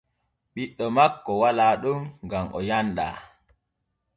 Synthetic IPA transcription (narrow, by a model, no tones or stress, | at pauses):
ɓiɗːɔmakːɔwalaːɗumɡamʔɔ̰janɗa̰ː